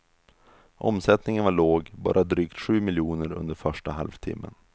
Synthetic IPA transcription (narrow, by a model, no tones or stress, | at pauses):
ʔɔmsɛt̪nɪŋənvaɭoːɡbɑ̰ːɾʔad̪ɾyːkt̪ɧʉ̟ːmɪljuːnəɾɵ̰nd̪əɾfœʂʈəɦalvt̪ʰɪ̰mːə̰n